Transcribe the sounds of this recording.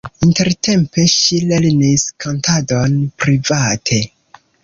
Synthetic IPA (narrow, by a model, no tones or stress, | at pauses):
inte̞ɾtʰe̞mpe̞ʃileɾniskantadonpɾivatʰe̞